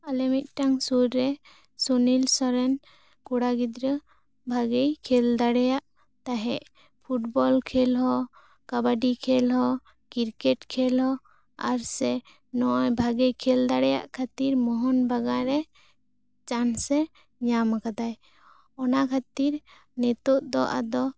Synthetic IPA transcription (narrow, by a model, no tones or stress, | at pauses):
alɛmit̪̚ʈaŋsuɾːɛ | sɔnilsɔɾɛn | kuɽaɡid̪ɾə | bʱaɡɛjkʰɛld̪aɽɛjaʔ | t̪aɦɛʔ | pʰuʈbɔlkʰɛlɦɔ | kabaɖikʰɛlɦɔ | kiɾkɛʈkʰɛlɦɔ | aɾsɛ | nɔʔɔjbʱaɡɛjkʰɛld̪aɽɛja̰ʔkʰat̪iɾmɔɦɔnbaɡaɾɛ | t͡ʃansɛ | ɲamakad̪aj | ɔnakʰat̪iɾ | nɛt̪ɔʔd̪ɔʔa̰d̪ɔ